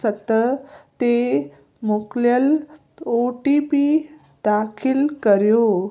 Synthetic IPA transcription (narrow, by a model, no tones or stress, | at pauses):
sət̪ːət̪e | mokljəl | oʈipi | d̪akʰilkəɾjo